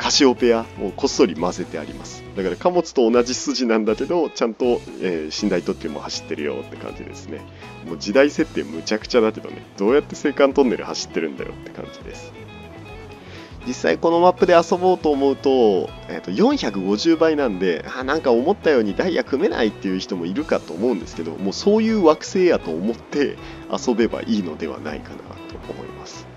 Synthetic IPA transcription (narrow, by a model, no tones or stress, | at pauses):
kʰaɕio̞pe̞aoko̞so̞ɾʲimaze̞t̪e̞a̰ɾʲḭmasɨ̥d̪akaɾakamo̞t͡sɨ̥t̪o̞ːnaʑisɨʑinãnd̪ake̞d̪o̞t͡ɕãnt̪o̞ | eːɕĩnd̪ait̪o̞kʲːemo̞̰haɕi̥t̪ːe̞ɾɯ̟jo̞̰t̪ːe̞̥kã̰ɲ̟d͡ʑḭd̪e̞̰sɨ̥ne̞̰ | dmo̞d͡ʑid̪aise̞t̪ːe̞ːmɯ̟t͡ɕakɯ̟̥t͡ɕad̪ake̞d̪o̞̰ne̞̰d̪̥o̞ːjat̪ːe̞se̞ːkãnt̪o̞nːe̞̰ɾɯ̟̰haɕi̥t̪ːe̞ɾɯ̟̰̃nd̪a̰jo̰t̪ːe̞̥kã̰ɲ̟d͡ʑid̪e̞̰sɨ̥ | d͡ʑisːa̰iko̞no̞mapːɯ̟d̪e̞aso̞bo̞ːt̪o̞ːmo̞ɯ̟t̪o̞ | e̞̰ːt̪ːo̞jõ̞ɰ̃çakɯ̟ɡo̞ʑɨːbainãnd̪e̞aːnãŋkao̞mo̞t̪ːajo̞ːɲ̟id̪aijakɯ̟me̞na̰it̪ːe̞jɯ̟çi̥t̪o̞mo̞iɾɯ̟kat̪ːoːmo̞ɯ̟nd̪e̞sɨ̥ke̞d̪o̞̰mo̞ːsoːjɯ̟ːβakɯ̟̥se̞ːjat̪o̞ːmo̞t̪ːe̞ | a̰so̞be̞ba̰ʔiːno̞d̪e̞βa̰na̰ḭkana̰t̪o̞̰omo̞̰ḭmasɨ̥